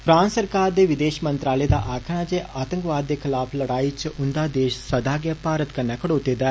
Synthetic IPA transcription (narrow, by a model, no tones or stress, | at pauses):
pʰɾãːnssəɾkaːɾd̪eːʋɪd̪eːʃmənt̪ɾaːleːd̪aːʔaːkʰɳaːd͡ʒeːʔaːt̪ə̃ŋkʋaːd̪ːeːkʰɪlaːpʰləɽaːiːt͡ʃʔʊnd̪aːd̪eːʃsəd̪aːɡaːpaːɾət̪kənaːkəɽoːt̪eːd̪aː